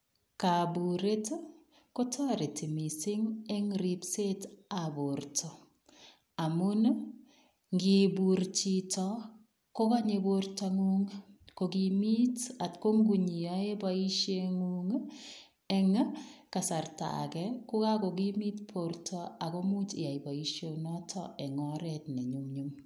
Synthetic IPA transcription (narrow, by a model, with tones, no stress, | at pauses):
ka˨bu˨ɾe˦t | ko˦tʰɔ˦ɾe˨tʰi˨mi˨sɪ˦ŋɛ˦ŋɾi˨pse˦ta˨bo˨ɾtʰɔ˨ | a˨mʊ˦n | ŋɡi˨bu˨ɾt͡ʃi˦tɔ˦ | ko˦ka˦ɲe˨borta˦ŋuŋko˨ki˨mi˦ta˨tko˦ŋɡu˨ɲi˨jɔ˦e˦ba˦i˦ʃje˦ŋuŋ | ɛ˨ŋka˨sa˨rta̰˨kɛ˦ku˦ka˦ko˨ɡi˦mi˦tpʰo˨ɾtʰɔ˦a˨ko˦mu˦t͡ʃi˨ja˨i˨ba˨i˦ʃjo˦nɔ˦tʰɔʔɛ˨ŋɔ˦ɾɛtnɛ˨ɲu˦mɲu˦m